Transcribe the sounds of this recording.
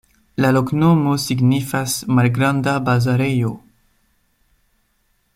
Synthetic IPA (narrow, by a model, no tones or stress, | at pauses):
laloknomosiɡnifasmalɡɾãndabazaɾejo